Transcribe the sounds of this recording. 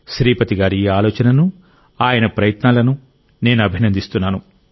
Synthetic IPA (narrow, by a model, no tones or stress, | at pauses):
ʃɾiːpɐt̪iɡaːɾiiːaːlɔːt͡ʃɐnɐnu | aːjɐnɐpɾɐjɐt̪naːlɐnu | ne̞ːnuɐbʱinɐnd̪ist̪unːaːnu